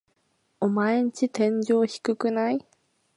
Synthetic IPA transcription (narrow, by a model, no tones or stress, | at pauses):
omaeɲit͡ɕit̪ẽ̞ɲ̟d͡ʑo̞ːçi̥kɯ̟kɯ̟nai